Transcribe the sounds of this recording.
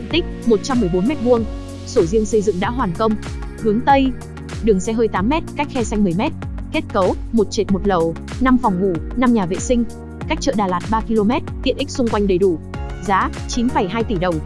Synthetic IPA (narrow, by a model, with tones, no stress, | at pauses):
ḭ˧˨nt̪ï˦˥k̟̚mo˨˩t̚t͡ɕa˧mːɨ˨˩əjɓo˨˦nmɛ˦˥t̚vu˧əŋ | so˧˩zi˧əŋsə˧jzɨ̰˧˨ŋɗa̰ː˧˥ɦwaː˨˩nkə˧wŋ͡m | hɨ˨˦əŋt̪ə˧j | ɗɨ˨˩əŋsɛ˧ɦəː˧jt̪aː˨˦mːɛ˦˥t̚ka˦˥jk̚xɛ˧sa˧jŋmɨ˨˩əjmɛ˦˥t̚ke˦˥t̚kə˨˦wmo˨˩t̚t͡ɕe˨˩t̚mo˨˩t̚lə˨˩w | na˧mfɔ˨˩wŋ͡mvṵ˧˩na˧mɲaː˨˩vḛ˧˨sï˧ŋ̟ | kaː˦˥k̚t͡ɕə̰ː˧˨ɗaː˨˩laː˨˩t̚ɓaː˧ki˧lo˧mɛ˦˥t̚t̪i˧˨ənʔi˦˥k̚sʊ˧ŋ͡mkwa˧jŋ̟ɗə˨˩jɗu˧˩zaː˨˦t͡ɕi˨˦nfə˧˩jɦaː˧jt̪i˧˩ɗə˨˩wŋ͡m